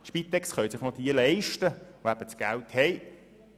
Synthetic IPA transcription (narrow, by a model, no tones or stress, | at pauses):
ʃpit̪ɛkstχœjsɪχnɔd̥̪iəlɛɪʃtəʋoæb̥ət͡sɡ̥ælt̪hɛj